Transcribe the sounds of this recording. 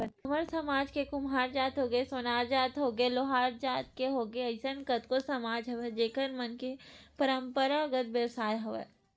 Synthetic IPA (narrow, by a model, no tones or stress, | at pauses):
məɾsɐmaːd͡ʒkekʊmɦaːɾd͡ʒaːt̪ɦoːɡesonaːɾd͡ʒaːt̪ɦoːɡeloɦaːɾd͡ʒaːt̪̚keɦoːɡeɐɪsənkət̪kosɐmaːd͡ʒɦɐʋed͡ʒeːkəɾmɐnkepəɾə̃mpəɾaɡət̪̚ʋjəʋsaːjɦoʋḛː